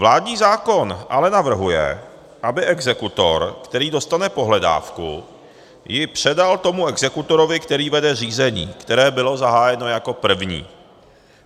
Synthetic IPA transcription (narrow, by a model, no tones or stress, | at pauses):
vlaːd̪ɲiːzaːko̞nʔalɛnavr̩ɦujɛ̰ | ʔabɪʔɛɡzɛkut̪o̞̰ɾkt̪ɛɾiːdo̞st̪anɛpo̞ɦlɛda̰ːfkṵ | jɪpr̝̥ɛdalt̪o̞muɛɡzɛkut̪o̞ɾovɪkt̪ɛɾiːvɛdɛriːzɛɲḭːkt̪ɛɾɛːbɪlo̞zaɦaːjɛno̞jako̞pr̩vɲḭː